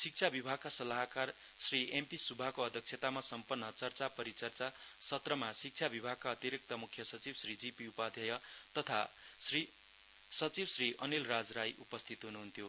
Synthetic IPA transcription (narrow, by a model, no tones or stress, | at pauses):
sik̚t͡sʰabibʱaɡ̚kasʌlaɦkar | sriempisubʱakoʌd̪ʱjʌk̚t͡ʃʰet̪amasʌmpʌnːʌt͡sʌrt͡sapʌɾit͡sʌrt͡sa | sʌt̪rʌmasik̚t͡sʰabibʱaɡ̚kaʌt̪iɾik̚t̪ʌmukʰːjʌsʌt͡sibsrid͡zipiupad̪ʱjʌjʌt̪ʌt̪ʰa | sri | sʌt͡sibsriʔʌnilrad͡zrajʔupʌst̪ʰit̪ɦunuɦunt̪ʰjo